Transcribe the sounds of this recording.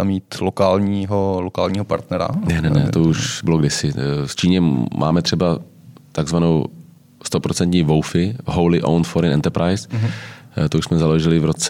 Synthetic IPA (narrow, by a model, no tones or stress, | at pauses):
amiːt̪lokaːlɲiːɦolokaːlɲiːɦopa̰ɾt̪nɛɾa̰nɛnɛnɛt̪ouʃbɪloɡdɪsɪst͡ʃiːɲɛmʔa̰ːmɛt̪r̝̥ɛba | t̪aɡzvanow | st̪o̞pɾot͡sɛnt̪ɲiːvowfɪɦowlɪʔo̰wnfoɾɪnʔɛ̰nt̪ɛɾpɾajs | t̪ouʃsmɛzaloʒɪlɪvɾot͡sɛ